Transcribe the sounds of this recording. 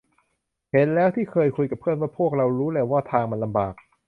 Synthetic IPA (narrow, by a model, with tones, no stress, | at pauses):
he˩˦nlɛː˦˥wt̪ʰiː˥˩kʰɤː˧jkʰu˧jka˨˩pʰːɯ˥˩ənwaː˥˩pʰu˥˩ək̚ɾa˧wɾuː˦˥lɛː˧˩waː˥˩t̪ʰaː˧ŋma˧nla˧mbaː˨˩k̚